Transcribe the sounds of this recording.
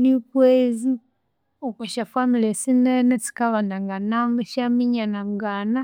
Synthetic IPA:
nipwezi | okuʃafwamilesinenet͡si̥kaβanaŋɡanambuʃamiɲanamuɡaːna

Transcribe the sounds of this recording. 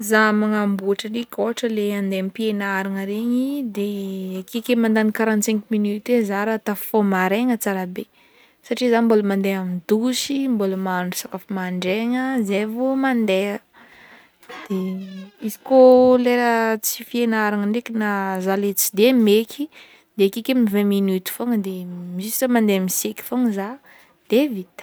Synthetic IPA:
zamaŋambuaʈ͡ʂənikoaʈ͡ʂəleand̪eamipienaɾaŋəɾeɲid̪ekekemand̪anikaɾant̪sɛŋkminyt̪ezaɾat̪afomaɾeŋət͡saɾabe | saʈ͡ʂizanmboləmand̪eamid̪usimboləmauɖ͡ʐusakafamaɳɖ͡ʐeŋəzevumand̪eə | d̪̥eizikoleɾət͡sifienaɾaŋəɳɖ͡ʐekinazalet͡sid̪emekʲʰi | d̪̥eakikemivɛ̃minut̪i̥foŋəd̪emisi̥samand̪eamiseki̥foŋəza | d̪̥evit̪

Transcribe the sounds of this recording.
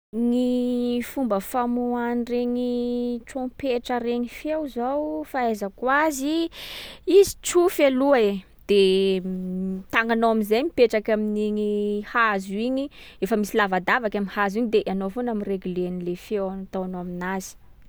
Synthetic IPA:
nifumbəfamuanireɲiʈ͡ʂõpeʈ͡ʂəɾeɲifewzawfaezəkwazi | izit͡sufeluae | d̪̥e | t̪aŋanoaminzajmipeʈ͡ʂakaminiɲihazuiɲi | efəmisilavad̪avakamihaziɲid̪eʔanofonamireɡulenilefewnat̪awanoaminazi̥

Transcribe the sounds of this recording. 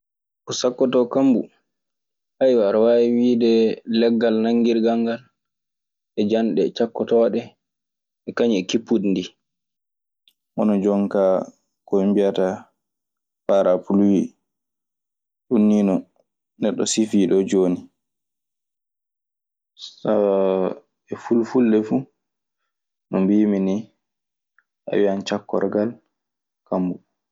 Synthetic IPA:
ʔɔsakːɔtɔkambṵ | ʔajwaɾwaiwiːdɛlɛɡːalnaŋɡiɾɡaŋɡal | ʔɛd͡ʒanɗɛt͡ʃakːɔtɔɗɛ | ʔɛkaɲɛkipːudndi | ʔɔnɔd͡ʒɔŋka | kɔimbijata | faɾapulwi | ɗunːinɔ | nɛɗːɔ̰sifiːɗɔd͡ʒoːni | sa | ɛfulfulɗɛfu | nɔmbimini | ʔa̰wiant͡ʃakːɔ̰ɾɡal | kambu

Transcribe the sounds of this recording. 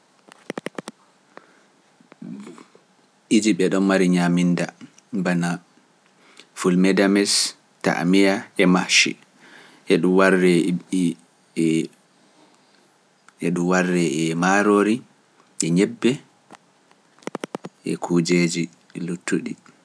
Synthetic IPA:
id͡ʒiɓɛɗɔnmaɾiɲaminda | bana | fulmɛdamɛs | ta̰ʔmijaɛmahʃḭ | ʔɛɗumwarːɛi | ʔɛɗumwarːɛɛmaɾoɾi | ʔɛɲɛbːɛ | ʔɛ̰kʰuːd͡ʒed͡ʒi | lutːuɗi

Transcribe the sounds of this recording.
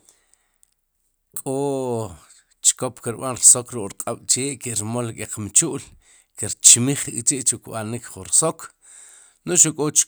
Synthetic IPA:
kʼo | t͡ʃkopkiɾɓanɾsokɾuʔʼɾqʼaɓ̥t͡ʃeːʔkiɾmolkʼeqmt͡ʃuʔl | kiɾt͡ʃmiχit͡ʃiʔt͡ʃukɓanikχuɾsok | noʃukʼot͡ʃ

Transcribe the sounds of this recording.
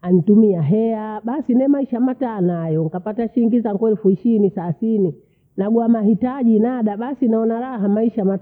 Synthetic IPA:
anitumiaɦɛaɓasinɛmaiʃamataːnajɔŋkapataʃiiŋɡizaŋɡwɛlfuiʃiinisaθini | naɡwamahitaʄinaɗaɓasinaɔnaɾaɦamaiʃama

